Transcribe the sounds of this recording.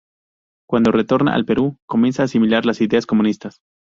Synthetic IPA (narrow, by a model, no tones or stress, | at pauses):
kwand̪o̞re̞t̪o̞ɾna̰ʔa̰lpe̞ɾuko̞mje̞nsaːsimilaɾlasiðeasko̞mũnist̪as